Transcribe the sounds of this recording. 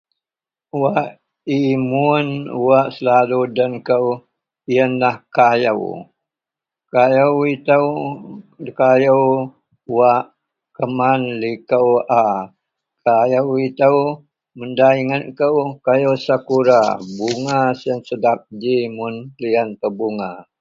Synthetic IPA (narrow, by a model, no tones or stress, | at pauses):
waʔ | imunuwaʔsəlaludankəw | iənlahkajə̰w | kajəwit̪əw | kajəw | waʔ | kəmanlikəwa | kʰajəwit̪əw | məndaiŋənkəwkajəwsakuɾabuŋasiənsədap̚d͡ʒimʊnlianpəbuŋa